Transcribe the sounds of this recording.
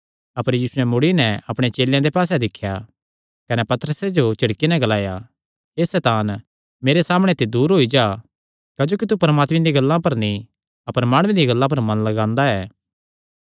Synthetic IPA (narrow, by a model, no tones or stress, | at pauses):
ɐpəɾjiːsʊɛ̃mʊɽinɛɐpɽ̃et͡ʃeːljãd̪epaːs̬ɛd̪ɪkʰːja | kɐnɛpɐt̪əɾəsed͡ʒot͡ʃɐɽkinɛɡɐlaːja | eːsɛːt̪aːn | meːɾesaːməɽ̃et̪ed̪uːɾɦoid͡ʒaː | kɐd͡ʒoːkit̪̬upɐɾmaːt̪mĩd̪ĩɡɐlːãpɐɾnĩ | ɐpəɾmaːɽ̃ẽd̪iɡɐlːãp̬ɐɾmɐ̃nlɐɡãːnd̪aɛː